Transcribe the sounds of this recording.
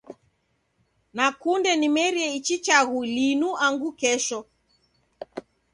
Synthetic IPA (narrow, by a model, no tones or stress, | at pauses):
nakundɛnimɛɾiɛit͡ʃit͡ʃaɣulinuʔaŋɡukɛʃɔ